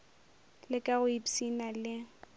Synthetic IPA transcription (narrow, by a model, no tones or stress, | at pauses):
lɪkʼaɣʊipsinalɪ